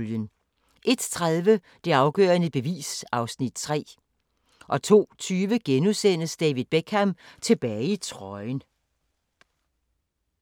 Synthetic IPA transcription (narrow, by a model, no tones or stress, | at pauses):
ljən | ʔe̝d̥t͡sʰʁaðˠʋə | d̥e̝ɑ̈ʊɡ̥œ̰ːɐnəb̥e̝ʋḭːsɑ̈ʊsnid̥t͡sʰʁɛ̰ː | ʔɒ̽t͡sʰo̝̰ːt͡sʰyːʋəɡ̥enusen̰əsd̥ɛːʋiðˠb̥eɡ̥hæmt͡sʰe̝b̥ɛːɪit͡sʰʁɒɪn